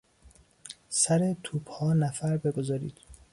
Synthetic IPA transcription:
sæɾet̪ʰuːbhɒːnæfæɾbe̞ɡo̞zɒːɾḭːd̪̥

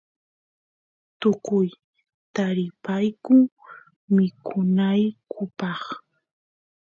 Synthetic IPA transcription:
t̪okʊj | t̪aɾɪpajkʊ | mɪkʰʊnajkʰʊpɑχ

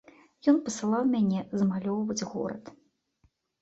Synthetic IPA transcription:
jɔnpɐsɨlˠawmʲanʲɛzɐmalʲɔwvɐd͡zʲɣɔ̰ɾɐ̰t̪

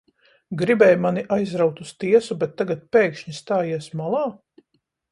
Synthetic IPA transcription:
ɡɾibɛːjmaniʔajzɾawt̪ust̪iɛsubɛt̪ːaɡat̪̚peːkʃɲist̪aːjiɛsmalˠɑː

